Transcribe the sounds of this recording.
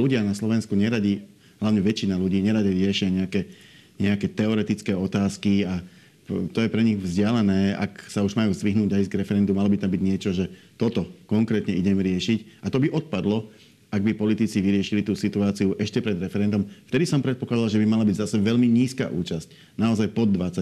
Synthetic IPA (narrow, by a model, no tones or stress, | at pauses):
luɟɪanaslɔʋɛnskuɲɛɾaɟi | ɦlaʋʊɲɛʋɛt͡ʃinaluɟiːɲɛɾaɟaɾɪɛʃɪaɲɛakɛː | ɲɛakɛːt̪ɛɔɾɛt̪it͡skɛːɔt̪aːskia | t̪ɔjɛpɾɛɲiɣvzɟɪalɛnɛːa̰ksauʒmajuːzd̪ʋiɦnuːɟajizɡɾɛfɛɾɛnd̪umalɔbit̪ambiɟɲɪɛt͡ʃɔʒɛ | t̪ɔt̪ɔkɔŋkɾɛːt̪ɲɛiɟɛmɾɪɛʃicat̪ɔbiʔɔt̪̚pad̪lɔ | aɡ̚bipɔlit̪it͡siʋiɾɪɛʃilit̪uːsit̪uaːt͡siuʔɛʃcɛpɾɛd̪ɾɛfɛɾɛnd̪ɔmft̪ɛd̪isɔmpɾɛt̪̚pɔklad̪alʒɛbimalabiɟzasɛʋɛʎmiɲiːska̰ʔṵːt͡ʃasc̚ | naɔzajpɔd̪ːʋat͡sa